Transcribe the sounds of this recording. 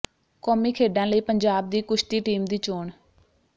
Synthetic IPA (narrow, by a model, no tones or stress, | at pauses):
kɔːmiːkʰeːɖãːləiːpəɲd͡ʒaːb̚d̪iːkʊʃt̪iːʈiːmd̪iːt͡ʃoːɳ